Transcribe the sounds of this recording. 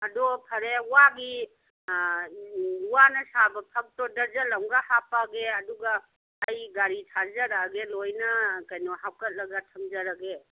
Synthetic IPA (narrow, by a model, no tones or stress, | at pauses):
ɐdɔpʰɐɾeuwaɡi | uwanɐsabɐpʰak̚tɔdɐɾzɐlɐŋɡahapaɡeɐduɡaː | jɡaɾitʰazɐɾaɡelojnɐkɐjnɔhawkɐt̚lɐɡatʰɐmzɐɾaɡe